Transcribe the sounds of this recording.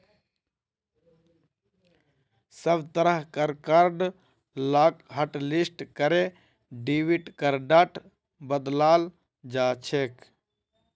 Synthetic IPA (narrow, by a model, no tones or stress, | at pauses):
səbt̪əɾəɦkəɾkaɾɖ | laːkɦəʈlisʈkəɾe | ɖiːʋiʈkəɾɖaʈʰ | bəd̪laːl | d͡ʒaːt͡ʃʰeːk